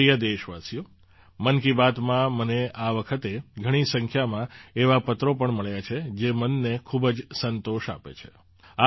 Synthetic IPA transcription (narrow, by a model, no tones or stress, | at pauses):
ijəd̪eʃʋasijo | mənkibat̪mãməneaʋəkʰət̪eɡʱəɽ̃isə̃ŋkʰjamãeʋapət̪ɾopəɳməɭjat͡ʃʰed͡ʒemənːekʰubd͡ʒsənt̪oʃa̰pḛt͡ʃʰe̥̰ | a